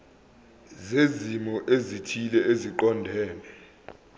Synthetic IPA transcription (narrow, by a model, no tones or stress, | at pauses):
zezimɔʔezitʰilɛeziǃɔndʱɛːnɛ